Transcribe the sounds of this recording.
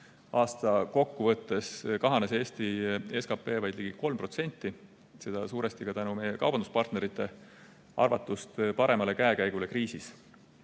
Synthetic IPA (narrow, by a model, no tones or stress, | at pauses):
ʔɑːst̪ɑko̞kːuvɤt̪ːe̞skɑɦɑnese̞ːst̪ie̞skɑpːe̞ːvɑjd̪liɡ̥iko̞lmpro̞t̪se̞nʲt̪ˑːi | se̞d̪̥ɑsuːɾest̪ikɑt̪ænumejekɑ̰wbɑnd̪u̥spɑrt̪ne̞ɾit̪ˑːe̞ | ʔɑ̰rvɑt̪ːˑust̪pɑɾe̞mɑle̞kæekæjɡ̥ule̞kriːsis